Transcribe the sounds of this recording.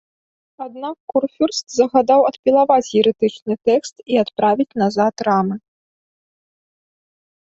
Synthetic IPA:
ad̪̚nakːurfʲurst̪zɐɣad̪awɐt̪pʲilˠavat͡sʲjiɾɨt̪ɨt͡ʂnɨt̪ɛkst̪iat̪pɾavʲit͡sʲnazat̪ɾamɨ

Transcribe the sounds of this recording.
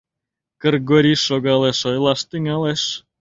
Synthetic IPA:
kə̆rɡoɾʲiʃoɣɑleʃojlˠɑʃt̪ɘ̆ŋʲɑlˠeʃ

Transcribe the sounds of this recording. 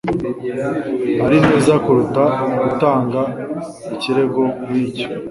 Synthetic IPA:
maɾineːzakuɾutaɡutaːŋɡa | iciɾe̞ɡo̞miːco̥

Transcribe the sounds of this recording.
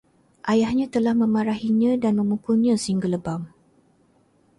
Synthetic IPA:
ʔajahɲãt̪əlahmə̃maɾaɦiɲãdanmə̃mukʊnɲãsəiŋɡələbam

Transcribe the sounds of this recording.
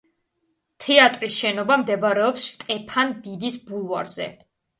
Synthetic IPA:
t̪ʰɛat̪ʼɾisʃɛnɔbamd̪ɛbaɾɛɔpsʃt̪ʼɛpʰand̪id̪isbulˠva̰ɾz̥ɛ̰

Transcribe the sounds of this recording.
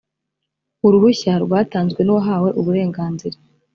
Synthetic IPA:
uɾuβuçaɾɡwaːtaːnzɡwe̞nuwoɦaːwe̞ʔuβuɾe̞ːŋɡaːnziɾa

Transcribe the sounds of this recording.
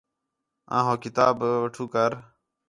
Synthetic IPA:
ã̰ːɦõːkɪt̪aːbʋəʈʰuːkəɾ

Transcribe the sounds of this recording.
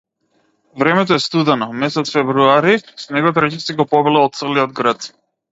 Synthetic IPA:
vɾɛmɛt̪ɔɛst̪ud̪ɛnɔmɛsɛt̪sfɛvɾuaɾisnɛɡɔt̪ɾɛcɛsiɡɔpɔbɛlɛɔt̪t̪sɛliɔd̪̚ɡɾat̪

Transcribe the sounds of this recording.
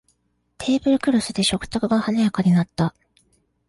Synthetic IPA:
t̪ʰe̞ːbɯ̟ɾɯ̟kɯ̟ɾosɨd̪e̞ɕo̞kɯ̟̥t̪ːokɯ̟ɡahanajakaɲ̟inat̪ːa

